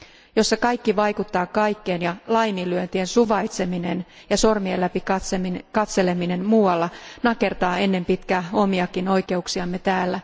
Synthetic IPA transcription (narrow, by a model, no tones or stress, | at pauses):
jo̞sːɑkɑjkːiʋɑjkut̪ːɑːkɑjkːeːnjɑlɑjnilyønt̪iensuʋɑit̪se̞minen | jɑso̞rmielːæpikɑsekɑt̪se̞le̞mine̞nmuːwɑlːɑnɑke̞rt̪ɑːe̞nːe̞mpit̪kæːo̞miɑkino̞ike̞uksiɑmːe̞t̪æːlːæ